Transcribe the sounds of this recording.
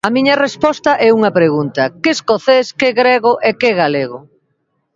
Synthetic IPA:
ɐmiɲɐrespɔst̪ɐʔɛuŋɐpɾeɣunt̪ɐkɪskoθeskeɣɾeɣʊʔekeɣaleɣʊ

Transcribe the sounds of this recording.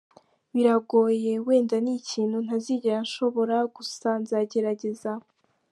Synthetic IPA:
βiɾaɡo̞ːje̞we̞ːndaniciːn̥hun̥aziɟeɾanʃo̞βo̞ɾaɡ̥usaːnzaɟe̞ɾaɟe̞za

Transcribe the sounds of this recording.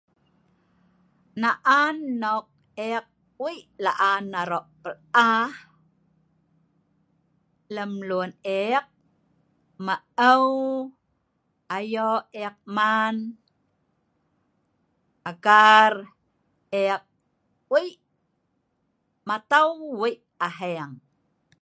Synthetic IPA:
naʔanːoq̚ | eq̚ | wiʔlaʔanːaɾoʔpəl | a | ləmluəneq̚ | ma | əw | ʔajoeq̚man | ʔaɡar | eq̚ | wiʔ | mat̪awwiʔ | aɦeŋ

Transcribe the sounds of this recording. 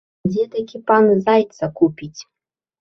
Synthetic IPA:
dʲet̪akʲipɑnzajt̪t͡sakupʲitʲ

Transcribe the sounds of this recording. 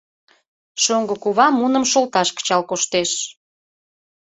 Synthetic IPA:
ʃoŋɡəkuβɑmːunə̆mʃolt̪ɑʃkə̥t͡ɕɑlkoʃt̪eʃ

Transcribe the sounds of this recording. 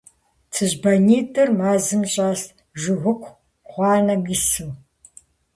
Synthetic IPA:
t͡sʰɨʑbɐniːtʰʼɨrmaːzɨmɕʼaːs | ʒʊʁʷʊkʷʰ | χʷɑːnɐmisɨw

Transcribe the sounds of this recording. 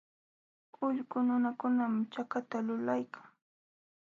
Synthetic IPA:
ʊʎkʊnʊnakʊnamt͡ʃakat̪alʊlajkʰḁŋ

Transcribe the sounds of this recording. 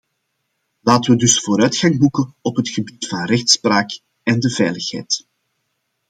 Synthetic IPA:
laːtəʋədɵsfoːɾœːtxɑŋbukənɔpɦətxəbitfɑnrɛxtspraːk | ɛndəvɛːjləxɦɛ̰jt

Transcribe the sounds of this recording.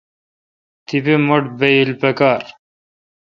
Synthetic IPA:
t̪ʰipemoʈbeilpɐkaːɾ

